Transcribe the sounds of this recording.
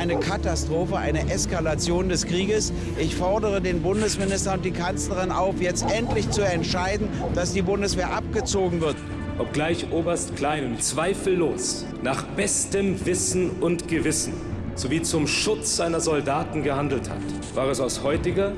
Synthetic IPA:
aɪnəkʰatastʁ̥oːfəʔa̰ɪnəʔɛskalat͡sjoːndɛskʁ̥iːɡəs | ʔɪçfɔɐdəʁ̞ədeːnbʊndəsmɪnɪstɐʊnt̚d̥iːkʰant͡sləʁ̞ɪnaʊfjɛt͡stʔɛntlɪçt͡suɛntʃaɪdn̩d̥asd̥iːbʊndəsv̥eːɐʔap̚ɡ̥ət͡soːɡŋ̩vɪɐt | ʔɔp̚ɡ̥laɪçʔoːbɐstkʰl̥aɪnʊnt͡sv̥aɪfl̩ːo̰ːs | naːχb̥ɛstəmvɪsn̩ʊntɡ̥əvɪsn̩ | z̥oviːt͡sʊmʃʊt͡sz̥aɪnɐzɔldaːtn̩ɡəhandl̩tha̰t | v̥aːʁɛsaʊshɔʏtɪɡɐ

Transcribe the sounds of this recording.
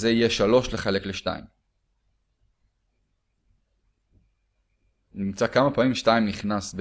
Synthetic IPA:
zeijeʃalo̞ʃleχe̞le̞kleʃta̰ḭm | nimt͡sakamapaːmimʃtaimniχnasb

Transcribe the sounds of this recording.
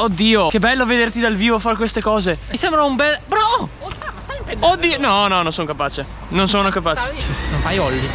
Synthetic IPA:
od̪ːiːokebːɛlːoved̪ert̪id̪alviːvofaɾekwest̪ekɔːzeisembɾaumbɛlpɾɔ | amod̪ːiːnɔnɔnonsonokapaːt͡ʃe | nonsoːnokapaːt͡ʃe̥nonfajɔlːi

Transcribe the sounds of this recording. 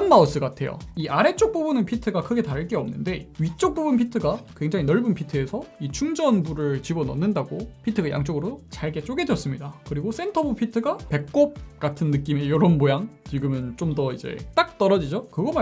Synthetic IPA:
nmaus͈ɯɡatʰe̞jo̰iʔaɾe̞t͡ɕ͈ok̚p͈obɯnɯnpʰitʰɯɡakʰɯɡe̞taɾɯɭk͈e̞ʌmnɯnde̞ɥit͡ɕ͈ok̚p͈obunpʰitʰɯɡakwe̞ŋd͡ʑaŋinʌɭbɯnpʰitʰɯe̞sʰʌit͡ɕʰuŋd͡ʑʌnbuɾɯɭt͡ɕibʌnʌ̰nːɯndaɡopʰitʰɯɡaja̰ŋt͡ɕ͈oɡɯɾot͡ɕaɭɡe̞t͡ɕ͈oɡe̞djʌs͈ɯmɲidakɯɾiɡos͈ʰe̞ntʰʌbopʰitʰɯɡape̞k̚k͈op̚k͈atʰɯnːɯk͈ime̞jʌɾonbojaŋt͡ɕiɡɯmɯnt͡ɕ͈omdʌid͡ʑe̞̰t͈ak̚t͈ʌɾʌd͡ʑid͡ʑokɯɡʌma

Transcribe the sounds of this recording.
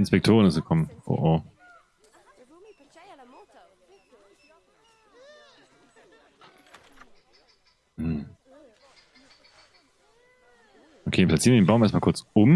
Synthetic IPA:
ɪnspɛk̚tʰoːʁənɪsɡ̥əkʰɔmənʔo̰ʔoː | ʔokʰeːpʰlatt͡siːɐnvjɪdenbaʊmʔɛɐstmakʰʊɐt͡sʔʊm

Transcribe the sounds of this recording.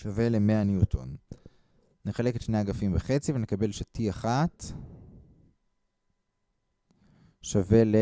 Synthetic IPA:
ʃavele̞me̞anjutʰo̰n | neχale̞ketʃneaɡafimbeχe̞t͡sivenekabe̞lʃatiaχat | ʃave̞le

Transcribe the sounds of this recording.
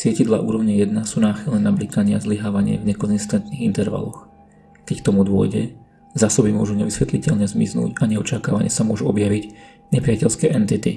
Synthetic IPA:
sɪɛcid̪laʔṵːɾɔʊɲɛjɛd̪nasuːnaːxilnɛːnablikaɲɪazliɦaːʋaɲɪɛ̰vɲɛkɔnzist̪ɛnt̪niːɣint̪ɛɾʋa̰lɔx | kɛck̚t̪ɔmud̪ʊɔ̰jɟɛ̰ | zaːsɔbimʊɔʒuɲɛʋisʋɛt̪licɛʎɲɛzmḭznṵːɟaɲɛɔt͡ʃakaːʋa̰ɲɪɛ̰samʊɔʒuɔbjaʋiɟ | ɲɛpɾiacɛʎskɛːʔɛnt̪it̪ḭ

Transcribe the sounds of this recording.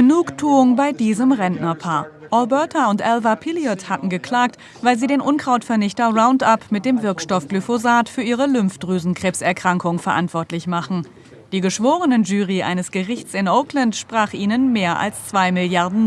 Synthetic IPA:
ɡ̥ənuːktʰuːʊŋbaɪdiːzəmʁɛnnɐpʰaːɐʔɔlbœɐtʰaʊntʔɛlvapʰɪljɔthatn̩ɡəkl̥aːk̚t | vaɪlziːdeːnʔʊnkʁ̥aʊtfɛɐnɪçtɐʁaʊ̃ntapmɪt̚d̥eːmvɪɐkʃtɔfɡ̥lyfozaːtfyːɐʔiːʁəlʏmfd̥ʁyːzn̩kʁ̥eːpsɛɐkʁ̥aŋkʊŋfɛɐʔa̰ntv̥ɔɐtlɪçmaχn̩ | d̥iːɡəʃv̥oːʁənənʒyːʁiʔa̰ɪnəsɡ̥əʁɪçt͡sɪnʔoʊkləntʃpʁ̥aːχʔiːnənmeːɐʔa̰lst͡sv̥aɪmɪljaɐdn̩

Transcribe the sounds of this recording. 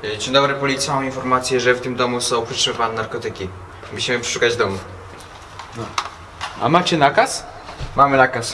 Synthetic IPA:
t͡ɕɛɲd̪ɔbɾɛpɔlʲit̪smawinfɔɾmat̪sʲjɛʐɛft̪ɘmd̪ɔmusɔ̃w̃pɛtʂɛvanɛnaɾkɔt̪ɘkʲi | muɕimɘpʂɛ̥ʂukad͡ʑd̪ɔmu | nɔ | a̰mat͡ɕɛnakas | mamɘnakas

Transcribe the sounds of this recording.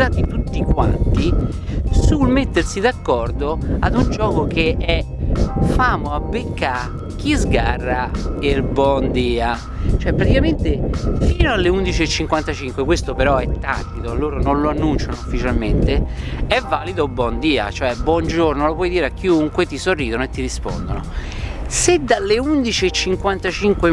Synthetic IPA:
aːt̪it̪ut̪ːikwa̰nt̪i | sulmet̪ːersid̪akːɔrd̪oad̪und͡ʒɔːkokʰeɛ | faːmoabːekːa | k̟ːizɡarːaelbɔnd̪iːa | t͡ʃoɛpːɾat̪ikament̪efiːnoalːeund̪it͡ʃiet͡ʃːiŋkwant̪at͡ʃiŋkwekwest̪opeɾɔɛt̪ːa̰t̪ːit̪oloːɾononloanːunt͡ʃanoufːit͡ʃalment̪eɛvːaːlid̪obwɔnd̪iːa̰t͡ʃoɛbːwɔnd͡ʒornolopwɔjd̪iːɾeakːiuŋkwet̪isorːiːd̪onoet̪ːiɾispo̰nd̪ono̰sed̪alːeund̪it͡ʃiet͡ʃːiŋkwant̪at͡ʃiŋkwe

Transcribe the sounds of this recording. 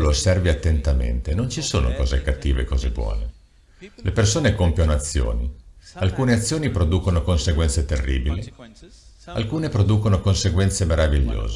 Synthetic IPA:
losɛrveat̪ːent̪amḛnt̪enont͡ʃiso̰ːno̰kɔːzekat̪ːḭːvḛkɔːzebwɔ̰ːne | lʔepersoːnekompjanoat̪sːjo̰ːnialkuːneat̪sːjoːnipɾod̪uːkonokonseɡwɛnt̪set̪erːḭːbili | a̰lkuːnepɾod̪uːkonokonseɡwɛnt̪semeɾaviʎːo̰ːz

